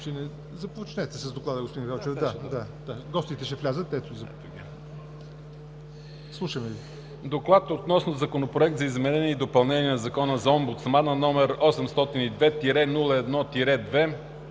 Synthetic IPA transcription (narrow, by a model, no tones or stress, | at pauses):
t͡ʃɛnɛ | zɐpot͡ʃnɛt̪ɛsɐzd̪oklˠad̪əɡospod̪ĩnɡawt͡ʃɛfd̪ad̪ad̪aɡɔst̪it̪ɛʃɛflʲazət̪ːɛt̪oizɐp̪ | slˠuʃəmɛvi | d̪oklˠat̪ot̪nɔsnozɐkonopɾoɛk̚t̪zɐizmɛnɛniːd̪opɐlˠnɛniənzɐkɔnəzɐɔmbut̪smanənɔmɛɾɔsɛmst̪ɔt̪inid̪vɛt̪iɾɛnulˠəɛd̪nɔt̪iɾɛd̪vɛ